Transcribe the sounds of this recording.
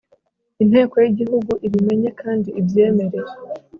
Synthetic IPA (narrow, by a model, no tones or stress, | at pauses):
in̥he̞ːko̞jiɟihuɡuʔiɾime̞ɲe̞kaːndiːbje̞ːme̞ɾe̞ɾe